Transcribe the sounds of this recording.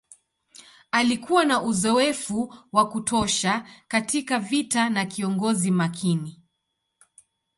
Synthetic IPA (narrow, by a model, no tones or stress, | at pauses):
alikuwanaʔuzɔɛfuwakutʰɔʃakatikavitanakiɔŋɡɔzimakʰini